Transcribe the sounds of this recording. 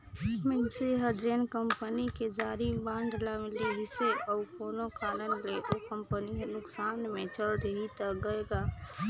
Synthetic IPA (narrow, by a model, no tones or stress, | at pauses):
mənseɦəɾd͡ʒenkəmpəniked͡ʒaɾibaɳɖʱlameleɦiseʔəukonokaɾənleʔokəmpəniɦnʊksanmet͡ʃəld̪eɦit̪əɡəeɡa